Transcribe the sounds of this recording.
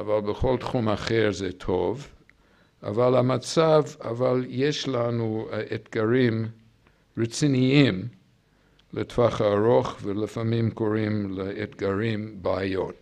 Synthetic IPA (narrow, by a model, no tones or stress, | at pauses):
avalbəχo̞ltχumaχeɹzetʰov | a̰valhamat͡savavaljeʃlanuetɡaɾim | ɹet͡siniim | letv̥aχaːɾoχvelifamimkoɾimleetɡaɾimbaajot